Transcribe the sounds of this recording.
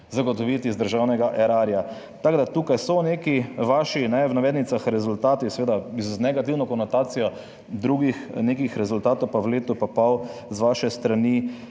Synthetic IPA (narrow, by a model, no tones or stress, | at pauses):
zaɡɔt̪ɔʋiːt̪izd̪əɾʒawnɛɡaʔɛɾaɾja | t̪aɡd̪at̪uːkajsɔnekiʋaːʃinɛʋnaʋeːd̪nit̪saxɾɛzʊlt̪aːt̪isɛʋeːd̪aznɛɡat̪iwnɔkɔnɔt̪aːt̪sijɔ | d̪ɾuɡixnekixɾɛzʊlt̪aːt̪ɔwpaʋleːt̪upapawzʋaːʃɛst̪ɾani